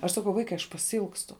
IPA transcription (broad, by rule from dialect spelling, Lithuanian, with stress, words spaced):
ɐʃ sɐˈkɐʊ ˈʋɐɪkɐɪ ɐʃ pɐsʲɪˈɪlˠkstʊ